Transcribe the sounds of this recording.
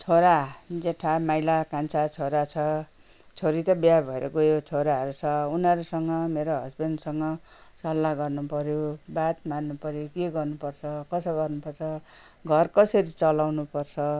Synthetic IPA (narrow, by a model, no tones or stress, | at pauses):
t͡sʰoɾad͡zeʈʰamajlakant͡sʰat͡sʰoɾat͡sʰʌ | t͡sʰoɾit̪ʌbjabʱʌeɾʔʌ̰ɡojot͡sʰoɾaɦʌɾut͡sʰʌunʌɾusʌŋɡʌmeɾoɦʌsbensʌŋɡʌ | sʌlːaɡʌrnupʌɾjobat̪manːupʌɾjokeɡʌrnupʌrt͡sʰʌkʌsʌɡʌrnupʌrt͡sʰʌ | ɡʱʌrkʌsʌɾit͡sʌlawnupʌrt͡sʰʌ